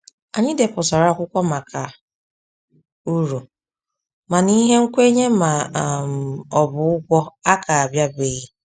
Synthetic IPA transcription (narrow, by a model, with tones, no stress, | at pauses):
a˨ɲɪ˦de˨pʊ˨sɔ˨ɾa˦˨kʷʊ˦kʷɔ˦ma˨kʰa˨ | u˦ɾu˨ | ma˨ni˦ɦe˦ŋ̩˦kʷe˦ɲe˦ma˨m̩˨ɔ˨bʊ˨ʊ˦ɡʷɔ˦a˦ka˨a˨bja˦be˨˦ɣi˦